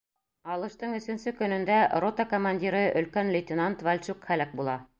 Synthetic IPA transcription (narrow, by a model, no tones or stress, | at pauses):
ɑlˠɤ̆ʃt̪ɤɴɵ̆sɵ̆nsɵkɵ̆nɵ̆nd̪ærot̪ɑkomanʲdʲiɾɤʔɵ̆lkænlʲɪt̪ʲɪnant̪valʲt͡ʃuqχælæk̚bulˠɑ